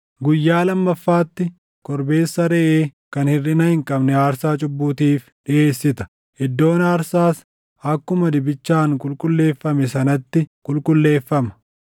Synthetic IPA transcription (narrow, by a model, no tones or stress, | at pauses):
ɡʊjːaːlɐmːɐfːaːt̪ːɪ | kɔɾbe̞ːsːɐɾɛʔeːkɐnhɪrːɪnɐhɪŋkʼɐbnɛaːɾsaːt͡ʃʼʊbːuːt̪iːf | ᶑɪʔe̞ːsːɪt̪ɐ̥ | hɪd̪ːo̞ːnaːɾsaːs | ɐkːʊmɐd̪ɪbɪt͡ʃːaːŋkʼʊlkʼʊlːe̞ːfːɐmɛsɐnɐt̪ːɪkʼʊlkʼʊlːe̞ːfːɐmɐ̥